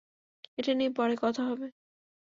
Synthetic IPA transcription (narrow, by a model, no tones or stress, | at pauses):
eʈanipɔɾekɔt̪ʰaɦɔbe